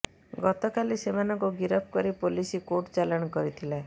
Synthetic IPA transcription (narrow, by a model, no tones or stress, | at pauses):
ɡɔt̪ɔkalisemanɔŋkuɡiɾɔp̚ʰkɔɾipolisikoʈt͡ʃalɔɽ̃ɔkɔɾit̪ʰila